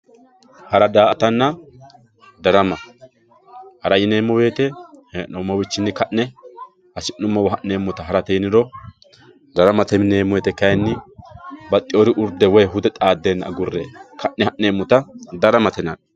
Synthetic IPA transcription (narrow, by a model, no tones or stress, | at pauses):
hɐɾɐd̪aːʔɐt̪ɐnːɐ | d̪ɐɾɐmɐ | hɐɾɐjɪneːmːɔwe̞ːt̪ɛhnɔmːɔwɪt͡ʃːɪnːɪkɐʔnɛ | hɐsɪnːʊmːɐwɐɦɐʔneːmːʊt̪ɐɦɐɾɐt̪ɛjɪnɪɾɔ | d̪ɐɾɐmɐt̪ɛmɪneːmːɔweːt̪ɛkɐjnːɪ | bɐt̪ʼːɪoɾɪʔʊɾd̪ɛwɔjɦʊd̪ɛt̪ʼaːd̪ːeːnːɐːɡʊrːḛːkʰɐʔnɛhɐʔneːmːʊt̪ɐd̪ɐɾɐmɐt̪ɛnɐn